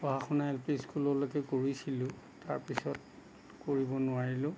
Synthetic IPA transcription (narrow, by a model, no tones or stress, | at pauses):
ɔɦaxɔnaɛlpiskulɔlokɛkoɹisilʊ̃ | taɹpisɔt | koɹibɔnʊaɹilʊ̃